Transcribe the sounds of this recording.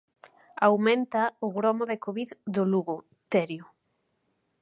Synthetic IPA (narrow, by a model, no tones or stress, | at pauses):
awmẽnt̪aʊɣɾɔmoðekoβiðd̪ʊluɣʊ | t̪ɛɾjʊ